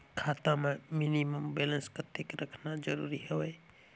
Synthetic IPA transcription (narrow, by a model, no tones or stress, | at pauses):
kʰat̪amẽminiməmbelə̃nskət̪ekɾəkʰnad͡ʒəɾṵɾiɦewej